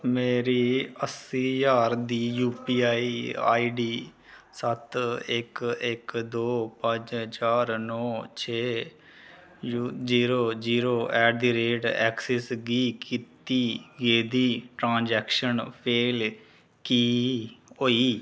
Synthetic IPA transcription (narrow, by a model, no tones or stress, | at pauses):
meːɾiːəsiːjaːɾd̪iːjuːpiːaːiːa̰ːiːɖiː | sət̪ʰɪkɪkd̪oːpə̃d͡ʒɦəd͡ʒaːɾnɔːt͡ʃʰeː | jud͡ʒiːɾoːd͡ʒiːɾoːʔɛːɖiɾeːɖɛ̰ːksɛsɡiːkiːt̪iːɡeːd̪iːʈɾãːnd͡ʒɛːkʃənpʰeːl | kiːɦoːiː